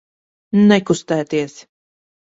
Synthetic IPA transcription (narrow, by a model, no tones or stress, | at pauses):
nɛkust̪æːt̪iɛs